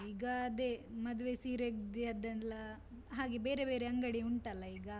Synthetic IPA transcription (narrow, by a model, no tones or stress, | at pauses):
iːɡɐːd̪e̞mɐd̪uʋesiːɾeɡd̪iɐd̪ɐnlɐ | ɦaːɡebe̞ːɾe̞beːɾeɐŋɡɐɽiuɳʈɐlːɐiːɡɐ